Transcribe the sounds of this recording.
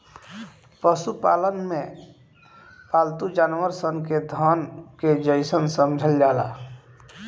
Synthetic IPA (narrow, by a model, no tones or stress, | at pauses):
pəsupa̰lənmẽ | palt̪ud͡ʒaːnʋəɾsənked̪ʱənked͡ʒəɪsənsəmd͡ʒʱəld͡ʒala̰